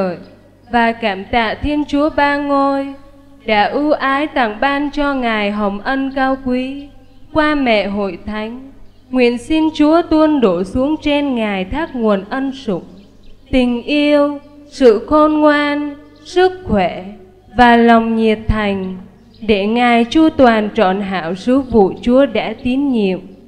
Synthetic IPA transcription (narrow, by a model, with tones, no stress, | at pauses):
ə˧˨j | vaː˨˩kaː˧˩mt̪a̰ː˧˨t̪ʰi˧ənt͡ɕu˨˦əɓaː˧ŋo˧j | ɗa̰ː˧˥ʔu˧ʔaː˨˦jt̪a̰˧˩˨ŋɓaː˧nt͡ɕɔ˧ŋaː˨˩jɦə˨˩wŋ͡mʔə˧nkaː˧wkwi˨˦ | kwaː˧mɛ̰˧˨ɦo̰˧˨jt̪ʰa˨˦jŋ̟ | ŋwḭ˧˨ənsi˧nt͡ɕu˨˦ət̪wə˧nɗo˧˩su˨˦əŋt͡ɕe˧nŋaː˨˩jt̪ʰaː˦˥k̚ŋu˨˩ənʔə˧nsʊ̰˧˩ŋ͡m | t̪ï˨˩ŋ̟ʔi˧əwsɨ̰˧˨xo˧nŋwaː˧n | sɨ˦˥k̚xwɛ˧˩ | vaː˨˩lɔ˨˩wŋ͡mɲi˨˩ət̚t̪ʰa˨˩jŋ̟ | ɗe˧˩ŋaː˨˩jt͡ɕu˧t̪waː˨˩nt͡ɕɔ̰˧˨nɦa̰ː˧˩˨wsɨ˨˦vṵ˧˨t͡ɕu˨˦əɗa̰ː˧˥t̪i˨˦ənɲḭ˧˨əm